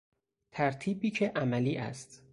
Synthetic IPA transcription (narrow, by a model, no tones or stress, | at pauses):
t̪ʰæɾt̪ʰiːbiːcʰeʔæmæliːʔæ̰st̪